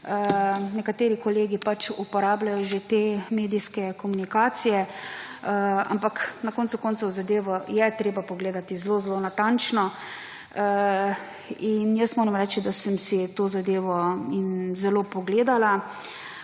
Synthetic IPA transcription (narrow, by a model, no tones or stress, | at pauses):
ənɛkat̪eːɾikɔleːɡipat͡ʃupɔɾaːblajɔʒet̪emeːd̪iskɛkɔmunikaːt̪sijɛ | a̰mpaknakɔnt̪sukɔːnt̪sɔwzad̪eːʋɔjɛt̪ɾeːbapɔɡleːd̪at̪izloːzlonat̪ant͡ʃnɔ | injəst̪moːɾɛmɾɛːt͡ʃid̪asəmsit̪oːzad̪eːʋɔinzɛloːpɔɡleːd̪ala